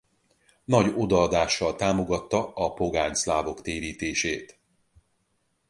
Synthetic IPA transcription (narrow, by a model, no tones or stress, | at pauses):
nɒɟo̞d̪ɒːd̪aːʃːɒlt̪aːmo̞ɡɒt̪ːɒɒpo̞ɡaːɲslaːvo̞kt̪eːɾiːt̪eːʃeːt̪